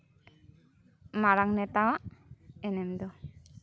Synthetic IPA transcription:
maɾaŋnɛt̪awaɛnɛmd̪o

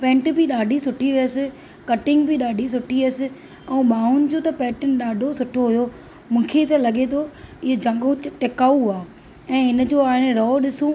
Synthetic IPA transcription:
pɛ̃ːɳʈbɪɗaːɖʱisʊʈʰiʋijəsɪ̆ | kɐʈɪ̃ŋɡbɪɗaːɖʱis̬ʊʈʰiʋəsɪ̆ | ɛ̃ũɓaːɦʊnɪ̆d͡ʑoːt̪ɐpɛːʈɪnɪ̆ɗaːɖʱosʊʈʰoɦʊjo | mũːkʰet̪ɐlɐɠet̪ʰoɪɦed͡ʑʱɐ̃ŋɡũt͡ɕʈɪkaːuaː | ɛ̃ːɦɪnəd͡ʑoːaːɦɪ̃ñɾɔːɗɪsũ

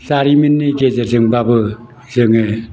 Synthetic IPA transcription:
saɾiminːiɡezezɯŋbabɯ | zɯŋe

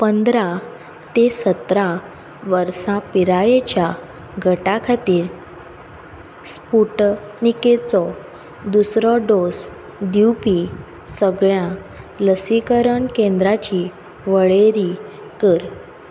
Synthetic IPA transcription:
pənd̪ɾa | t̪esət̪ɾa | ʋəɾsãpiɾajet͡ɕja | ɡʱəʈakʰat̪iːɾ | spuʈniket͡sɔ | d̪usɾɔɖos | d̪iwpi | səɡɭjãləsikəɾəɳkẽnd̪ɾat͡ɕi | ʋəɭeɾi | kəɾ

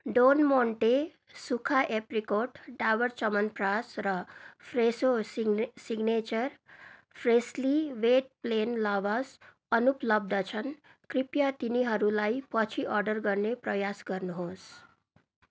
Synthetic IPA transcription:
ɖonmoɳʈe | sukʰaʔeprikoʈɖawʌrt͡ʃʌmʌnprasrʌpʰresosiɡnet͡ʃʌrpʰresliʋeʈ̚plenlaʋas | ʌnuplʌb̚d̪ʌt͡sʰʌn | kripjat̪iniɦʌɾulajpʌt͡sʰiʔʌɾɖʌrɡʌrneprʌjasɡʌrnuɦos

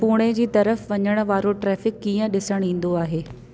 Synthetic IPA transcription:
puːɽ̃ed͡ʑiːt̪ɐɾəfʋɐɲəɽ̃̆ʋaːɾoʈɾɛːfɪkːiːə̃ɗɪsəɽ̃ĩːn̆d̪oaːɦeː

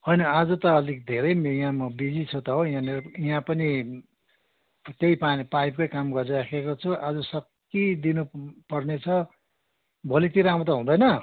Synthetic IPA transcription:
ɦʌjnʌad͡zut̪ʌːlikd̪ʱeɾʌjmjãmʌbid͡zit͡sʰot̪ʌɦojãnejãpʌni | t̪eipapajpkojkamɡʌrɾakʰekot͡sʰuʔad͡zʌsʌkː | id̪inupʌrnet͡sʰʌ | bʱolit̪iɾam̃t̪̬ʌɦũd̪ʌjnʌ

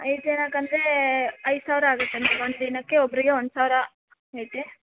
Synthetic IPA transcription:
ɐ̰jt̪eːnaːkːɐnd̪ɾeɐjsaːʋɾɐaːɡɐt̪ːeɐnd̪ɾeond̪d̪inɐkːeɔbɐɾiɡeɔnd̪saːʋɾɐ | ɐjt̪e

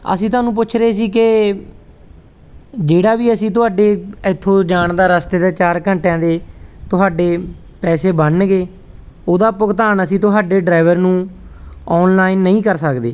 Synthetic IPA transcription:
ə̰sĩːt̪ʊaːnũːp̬ʊːt͡ʃʰɾeːs̬iːkɪ | d͡ʒeːɽaːbiːəsĩːt̪ʊɦaːɖeːɪt̪ʰːõːd͡ʒaːɳd̪aːɾəst̪eːd̪aːt͡ʃaːɾkəɳʈjãːd̪eːt̪ʊɦaːɖeː | pɛːseːbənɡeː | oːd̪aːpʊkt̪aːnəsĩːt̪ʊɦaːɖeːɖɾaːʋəɾnũː | ɔːnlaːinːəĩːkəɾsəkd̪ḛː

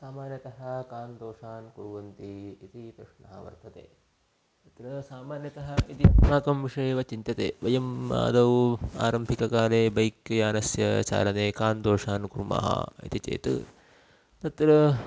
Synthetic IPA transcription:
saːmaːnjɐt̪ɐɦɐkaːnd̪oːʂaːnkuɾuʋɐnt̪iːt̪ipɾɐʂɳɐɦɐʋɐ̰ɾt̪ɐt̪ḛː | t̪ɐt̪ɾɐsaːmaːnjɐt̪ɐɦɐit̪imaːkɐmʋiʂɐjeːʋɐt͡ʃint̪ɐt̪ḛːʋɐjɐma̰ːd̪ɐwa̰ːɾɐmbʱikɐkaːleːbɐjkjaːnɐsjɐt͡ʃa̰ːlɐneːkaːnd̪oːʂaːnkuɾma̰ːɦɐ̰ḭt̪it͡ʃḛːt̪ɨ̰ | t̪ɐt̪ɾɐ

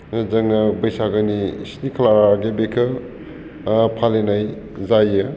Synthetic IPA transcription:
zɐŋnɐbɐjsaɡɯnisnikʰɐlaɾaɡebekʰɯ | pʰalenaj | zajɯ

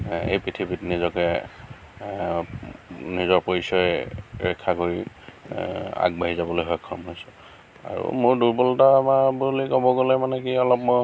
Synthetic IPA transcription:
ejpitʰiipitnizɔkɛ | nizɔɹpoɹisɔjɹɛkʰːakoɹi | a̰ɡ̚baɦizabɔlojɦɔjkʰːɔmɦojsɔ | a̰ɹṵmʊɹduɹpɔltamabulikobɔɡolɛmanɛkiɔlɔpmɔ

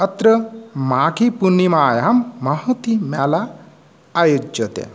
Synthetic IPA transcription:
ɐt̪ɾəmaːkipunːimaːjamːɐɦɐt̪imala | ajud͡ʒɐt̪ḛ

